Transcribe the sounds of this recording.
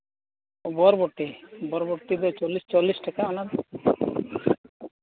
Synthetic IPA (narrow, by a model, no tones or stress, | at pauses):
bɔɾbɔʈːebɔɾboʈːid̪ot͡ʃolːist͡ʃolːisʈakaɔnad̪